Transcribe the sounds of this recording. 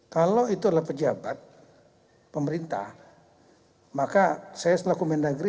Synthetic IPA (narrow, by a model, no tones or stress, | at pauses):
kaloit̪udlapəd͡ʒabat̪̚ | pəməɾint̪a̰h | makasajaslakumɛndaɡɾi